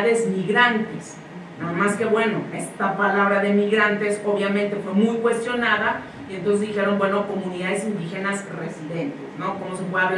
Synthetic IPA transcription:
ðe̞zmiɣɾant̪es | naðamaske̞βwe̞no̞e̞st̪apalaβɾaðe̞miɣɾant̪e̞so̞βjamẽnt̪e̞fwe̞mujkwe̞st̪jo̞naða | ient̪onsezðixeɾo̞mbwe̞no̞ko̞mũniðaðesind̪ixenasresiðent̪esno̞ko̞mosepweðaβ

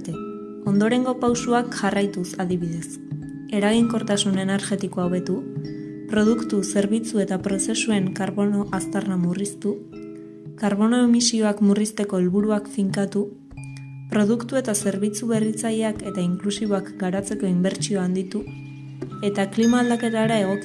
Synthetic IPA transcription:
t̪e | o̞nd̪o̞ɾe̞ŋɡo̞pawsuakʝarajt̪usaðiβiðe̞s | e̞ɾaɣiŋko̞ɾt̪asune̞ne̞ɾʝe̞t̪ikoawβe̞t̪u | pɾo̞ð̞ukt̪use̞ɾβ̞it͡sue̞t̪apɾo̞se̞sue̞ŋkaɾβo̞no̞ʔast̪arnamurist̪u | kaɾβo̞noemisio̞akmurist̪e̞ko̞elβuɾuakfiŋkat̪u | pɾo̞ð̞ukt̪ue̞t̪ase̞ɾβit͡suβe̞rit͡saje̞ake̞t̪aiŋklusiβo̞akɡaɾat͡se̞ko̞imbe̞ɾt͡ʃio̞and̪it̪u | e̞t̪aklimaːld̪ake̞t̪aeɾae̞ɣ̞o̞k

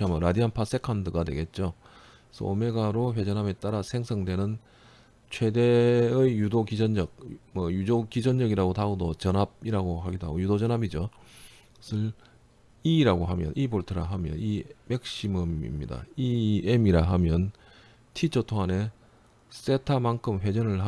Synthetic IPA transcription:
amʌɾadianpʰas͈e̞kʰandɯɡadwe̞̰ɡe̞t̚t͡ɕ͈o | sʰʌ̰ːme̞ɡaɾoɸwe̞d͡ʑʌnɦame̞t͈aɾasʰe̞ŋsʰʌŋdwe̞nɯn | t͡ɕʰwe̞deɯjjudokid͡ʑʌnd͡ʑʌk̚mʌjud͡ʑokid͡ʑʌnd͡ʑʌɡiɾaɡotaɡodot͡ɕʌnab̚iɾaɡoɦaɡidoɦa̰ɡojudod͡ʑʌnabid͡ʑʌ | sʰɯɭ | iɾaɡoɦamjʌ̰nʔiboɭtʰɯɾaɦamjʌ̰nimek̚ɕ͈imɯmḭmɲḭda̰iemiɾaɦamjʌn | tʰit͡ɕʰʌtʰoŋane̞ | s͈e̞tʰamankʰɯmɸwe̞d͡ʑʌnɯɭɦa

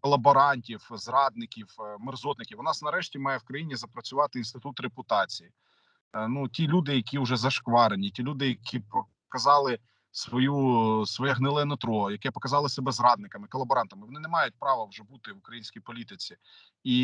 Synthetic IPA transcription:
kɔlˠɐbɔɾɑnʲtʲiwzrɑd̪nɪkʲiwmerzɔt̪nɪkʲiwnɑsnɐɾɛʃtʲimɑjɛwkɾɐjinʲizɐpɾɐt͡sʲʊʋɑt̪ɪinst̪ɪt̪ut̪repʊt̪ɑt͡sʲiji | nutʲilʲud̪ɪjɐkʲiʊʒɛzɐʃkʋɑɾenʲitʲilʲud̪ɪjɐkʰʲipɔ | kɐzɑlˠɪ | sʋɔjusʋɔjɛɦnɪlˠɛnɔt̪ɾɔjɐkɛpɔkɐzɑlˠɪsɛbɛzɾɑd̪nɪkɐmɪkɔlˠɐbɔɾɑnt̪ɐmɪʋɔnɪnɛmɑjʊt̚ʲpɾɑʋɐwʒɛbut̪ɪʋʊkɾɐjinʲsʲkʲijpɔlʲit̪ɪt͡sʲi | i

